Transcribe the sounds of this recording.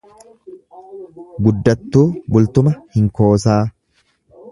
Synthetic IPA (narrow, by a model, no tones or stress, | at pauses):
ɡʊd̪ːɐt̪ːuːbʊlt̪ʊmɐhɪŋko̞ːsaː